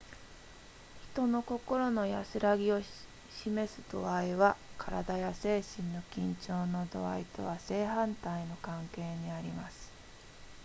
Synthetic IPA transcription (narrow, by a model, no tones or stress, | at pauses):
çi̥t̪o̞no̞ko̞ko̞ɾo̞no̞ja̰sɨɾaɡʲio̞ | ɕime̞sɨd̪̥o̞̰aiβakʰaɾa̰d̪ajase̞ːɕĩnːo̞kʲĩɲ̟t͡ɕo̞ːno̞d̪o̞̰a̰it̪o̞β̞ase̞ːɦãnt̪aino̞kãŋke̞ːɲ̟iaɾʲimasɨ̥